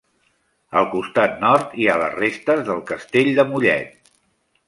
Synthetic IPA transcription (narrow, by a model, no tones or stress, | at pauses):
əlˠkust̪at̪̚nɔɾt̪ialə̰zrest̪əzðəlˠkəst̪eʎd̪əmuʎɛ̰t̪